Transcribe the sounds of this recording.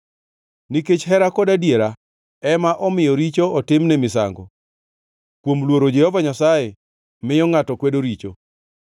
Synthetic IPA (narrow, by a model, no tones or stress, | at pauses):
niket͡ʃɦɛɾakɔdadjeɾa | ɛmaʔɔmɪjɔɾit͡ʃoɔtɪmnɛmɪsa̰ŋɡɔ̰ | kwomlwoɾod͡ʒɛhɔvaɲasaje | mɪjɔŋatɔkwedoɾit͡ʃo